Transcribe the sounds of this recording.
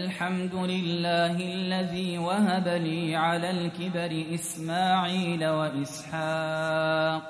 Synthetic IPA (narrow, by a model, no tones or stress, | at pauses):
lħamd̪ʊlɪlːaːhɪalːaðiːwahabaniːʕalaːlkɪbaɾɪʔɪsmaːʕiːlawaʔɪsħaː | q̚